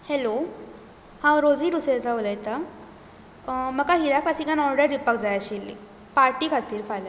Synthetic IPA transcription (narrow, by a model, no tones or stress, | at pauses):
helo | hãwɾod͡ziːɖuseɾd͡zaʋuləjt̪a | məkaɦiɾaklasikanɔɾɖəɖ̪ipəkd͡zajaɕilːḭ | paɾʈiːkʰat̪iːɾfala